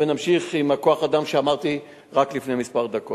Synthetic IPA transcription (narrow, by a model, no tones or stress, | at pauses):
venamʃiχimako̞aχad̪amʃeamaʁt̪i | ʁaklifne̞jmispaʁd̪ako